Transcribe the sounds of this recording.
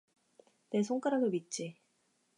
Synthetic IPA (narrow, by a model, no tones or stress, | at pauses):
nes̬ʰoŋk͈aɾaɡomit̚t͡ɕ͈i